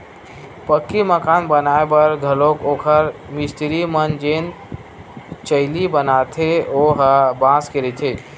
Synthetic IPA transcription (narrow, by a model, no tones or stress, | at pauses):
pəkːiməkanbənaebəɾɡʱəlokokʰəɾmist̪iɾimənd͡ʒen | t͡ʃəɪlibənat̪ʰeoɦabãskeɾɛt̪ʰe